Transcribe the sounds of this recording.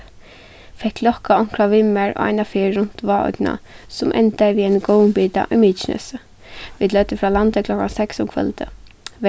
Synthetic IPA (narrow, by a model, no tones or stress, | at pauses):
fɛkːlɔkaɔŋ̥kɾaʋɪmɛɹo̰a̰ɪnafɪːɹʊn̥t̪ʋɑːɔ̰d̪na̰sʊmʔɛ̰nt̪aʋiːɛɪnɡoːwnbiːt̪a̰ʔɪmiːt͡ʃnə̰sə | ʋiːd̪lœt̪əfɹɑːlant̪əkʰlɔkansɛksʊmkʰvœ̰lt̪ʰə | ʋ